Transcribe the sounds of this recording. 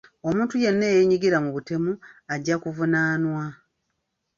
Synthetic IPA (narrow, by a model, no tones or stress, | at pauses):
o̞mũːntuje̞nːe̞ːjeɲiɡiɾamuβute̞muaɟːakuvunaːnwa